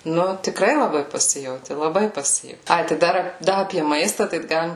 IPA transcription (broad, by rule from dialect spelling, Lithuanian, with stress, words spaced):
ˈnʊ tʲɪˈkrɐɪ lˠɐˈbɐɪ pɐˈsʲɪjɛʊtʲɪ lˠɐˈbɐɪ pɐˈsʲɪjɛʊ ˈɐɪ tɐɪ ˈdɐr ˈdɐ ɐpʲiɛ ˈmɐɪstɑː tɐɪ ˈɡɑːlʲɪm